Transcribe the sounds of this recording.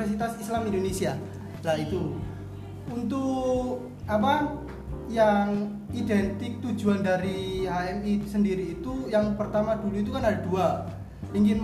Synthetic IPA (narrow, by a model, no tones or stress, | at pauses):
ərsit̪asislamindonesia | lahit̪u | unt̪ʊ | ap̬a | jaŋ | idɛnt̪ɪk̚t̪u̥d͡ʒuandaɾihaɛmisəndiɾiːt̪ujaŋpərt̪amaduluit̪ukanadadua | iŋkɪn